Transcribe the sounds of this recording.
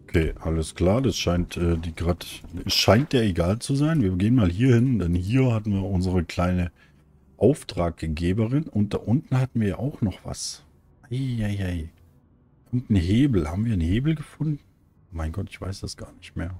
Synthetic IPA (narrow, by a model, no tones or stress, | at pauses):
ʔokʰeːʔaləskl̥aːɐdasʃaɪntʔɛːdiːɡʁaːtɛsʃaɪnt̚d̥aːeɡaːlt͡suzaɪnviːɐɡeːənmaːlɦiːɐhɪndɛnhiːɐhatn̩viːɐʔʊnzəʁəkʰl̥aɪnə | ʔaʊftʁ̥aːkɡeːbəʁɪnʊnt̚d̥a̰ʔʊntn̩hatn̩viːɐja̰ʔaʊxnɔχv̥a̰s | ʔaɪaɪʔaɪ | ʊntn̩ɦeːbl̩ha̰ːbm̩viːɐnheːbl̩ɡəfʊndn̩ | maɪnɡɔtɪçv̥a̰ɪsd̥asɡ̥a̰ːɐnɪçtmeːɐ